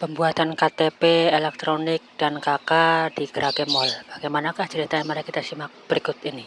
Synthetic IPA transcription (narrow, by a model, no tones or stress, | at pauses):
pəmbuat̪ankat̪epeelɛk̚t̪ɾonɪk̚d̥ankakad̥iɡ̥əɾaɡemɔlb̥aɡejmanakaht͡ʃəɾit̪ajamaɾakit̪asimak̚b̥əɾiɡʊt̪ini